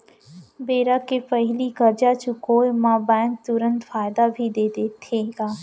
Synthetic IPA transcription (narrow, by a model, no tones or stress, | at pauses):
beːɾakepəɦɪliɡəɾd͡ʒat͡ʃukoːjmãːbãːn̚t̪ʊɾə̃nt̪faːɪd̪abʱid̪eːd̪eːt̪ʰeːɡaː